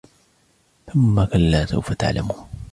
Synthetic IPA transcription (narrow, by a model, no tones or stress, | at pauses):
θʊmːakalːaːsa̰wfat̪a̰ʕla̰muːn